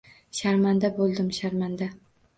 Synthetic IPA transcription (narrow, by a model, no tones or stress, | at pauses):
ʃaɾmand̪abolˠd̪ɪmʃaɾmand̪a